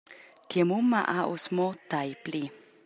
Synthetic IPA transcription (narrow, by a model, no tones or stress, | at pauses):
t̪jɛmumːaʔaʔosmot̪ajpli